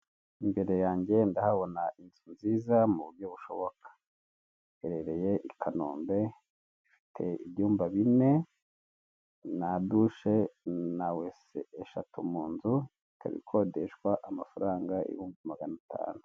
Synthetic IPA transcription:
imbe̞ɾe̞jaːɲɟe̞ndahaβo̞nainzunziːzamuβuɾɟo̞βuʃo̞̰βo̞kḁ | eɾeɾe̞je̞ʔikʰano̰ːmbe̞ | ifi̥tʰe̞ḭβjuːmbaβine̞ | naduʃe̞nawesḛʔːʃatʰumuːnzu | ikʰa̰βḭkʰo̞de̞ʃwaʔamafaɾaːŋɡaḭβuːmbimaɡanatʰa̰ːnu

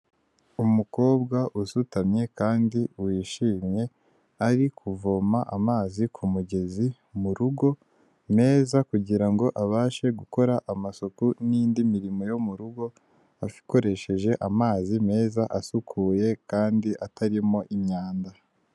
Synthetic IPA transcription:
umuko̞ːb̚ɡaʔusutamɲe̞kaːndiwiʃiːmɲe̞ | aɾikʰuvo̞maʔamaːzikʰumuɟe̞zi | muɾuɡo̞ | me̞ːzakuɟiɾaŋɡo̞ʔaβaːʃe̞ɡuko̞ɾaʔamasokuniːndimiɾimo̞jo̞muɾuɡo̞ | afi̥ko̞ɾe̞ʃe̞ʒe̞ʔamaːzime̞ːzaʔasukʰuːje̞kaːndiʔataɾimo̞ʔimɲaːnda

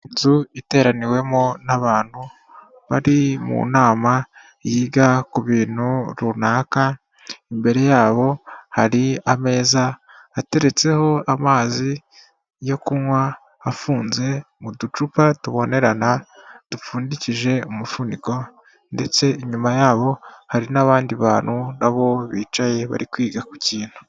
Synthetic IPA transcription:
inzuite̞ːɾaniwe̞monaβaːn̥hu | βaɾimṵnaːma | jiːɡakuβiːn̥huɾunaːka | imbe̞ɾe̞jaːβo̞haɾiame̞ːzaː | te̞ɾe̞t͡se̞ho̞amaːzi | jo̞kunwaː | fuːnze̞ | mudut͡ʃupatuβo̞ne̞ɾanatufuːndiciʒe̞umufundiko̞ | nde̞t͡se̞iɲumajaːβo̞haɾinaβaːndiβaːnhunaβo̞βiːt͡ʃaje̞βa̰ɾikwiːɡakuciːn̥hu̥

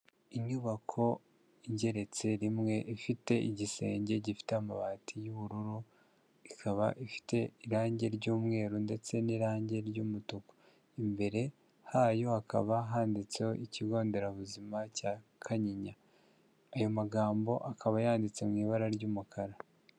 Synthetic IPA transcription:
iɲuβakʰo̞ | iɲɟe̞ɾe̞t͡se̞ɾimŋe̞ʔifite̞ʔiɟise̞̰ːɲɟe̞ɟifi̥teamaβaːtʰijuβuɾuɾu | ikʰaβaʔifi̥te̞iɾaːɲɟe̞ɾɟuːmŋe̞ːɾunde̞t͡se̞niɾaːɲɟe̞ɾɟuːmutuko̥ | imbe̞ɾe̞ | hajo̞aka̰βaɦaːndit͡seoʔiciɡo̞ːnde̞ɾaβuzimacakʰaɲiɲaː | jo̞maɡaːmbo̞ʔakaβajaːndit͡semŋiːβaɾaɾɟuːmukʰaɾa

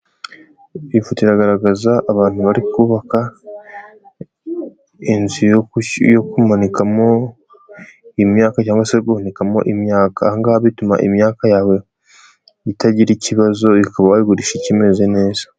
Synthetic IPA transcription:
ifutiɾaɡaɾaɡazaʔːβaːnhuβaɾikuːβaka | inzijjokumanikamo̞ | imɲaːkacaːŋɡwaseɡuhanikamo̞̰ʔimɲaːkaŋɡahaβituma̰ʔimɲaːkajaːwe̞ | itaɟiɾiciβazo̞ikaβaβajiɡuɾiʃicime̞ze̞ne̞ːzḁ

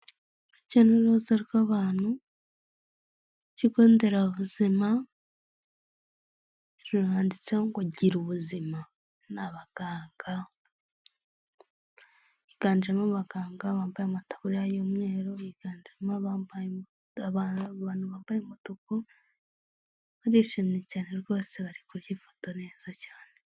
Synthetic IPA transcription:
icaneɾozaɾikaβaːnu | cikondeɾaβuzima | ɾuɾaːndit͡seoŋɡwaɟiɾuβuzima | naβaɡ̥aːŋɡa | jiɡ̥aːnd͡ʒemaβaɡaːŋɡaβaːmbajamatḁβuɾijajomŋe̞ːɾojiɡ̥aːnd͡ʒemaβaba | aβaaːn̥uβaːmbajemutuku | βaɾiʃimɲecaːne̞ɾɡo̞ːse̞βaɾikuɾjifo̥tone̞ːz̥acaːne

